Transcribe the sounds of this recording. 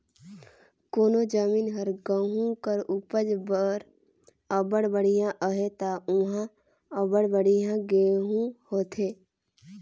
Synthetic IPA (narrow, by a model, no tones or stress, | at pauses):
koːnod͡ʒəmiːnɦəɾɡəɦũkəɾupəd͡ʒbəɾ | əbəɽbəɽ̤ijãʔəɦet̪auɦã | əbəɽbəɽ̤ijãɡeɦũhoːt̪ʰeː